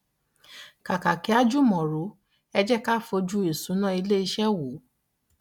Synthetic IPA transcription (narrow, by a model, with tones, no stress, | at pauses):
ka˨ka˨ki˨˦a˦d͡ʒu˦mɔ̃˨ɾu˨˦ | ɛ˧d͡ʒɛ˦ka˦˨fo˧˦d͡ʒu˦i˨sũ˨˦nã˦i˧le˦i˧ʃɛ˦wu˨˦